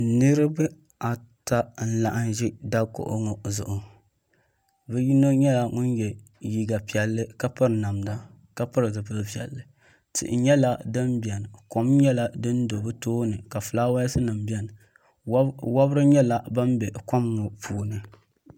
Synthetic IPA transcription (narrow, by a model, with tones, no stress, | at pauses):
nɨ˦ɾɨ˦bɨ˦ | a˨ta˦n̩˦la˨ʔa˦nʒi˦da˦ko̰˨ʔo̰˦ŋɔ˨zʊ̰˨ʔʊ˨ | bɛ˦ji˦no˦ɲɛ˦la˨ŋʊ˦n˦jɛ˨ | ji˨ɡa˨pi˨ɛ˨lːɨ˦ka˦pɨ˦ɾɨ˨na˨mda˦ | ka˦pɨ˦ɾɨ˨zɨ˨bɨ˦vi˨ɛ̰˨lːɨ˨ | tɨ̰˨ʔɪ̰˨ɲɛ˦la˦dɨ˦nbi˨ɛ˨n˨ko˨mɲɛ˦la˨dɨ˦n˦do˨bɨ˦toː˦nɨ˨ka˨fɨ˨laː˦wa˦jsɨ˦nɨ˨m˦bɛ˦n˨˦ | wa˦bɾɨ˦ɲɛ˦la˨ba˦m˦bɛ˨kɔ˦mŋɔ˨pʰuː˨nɨ˦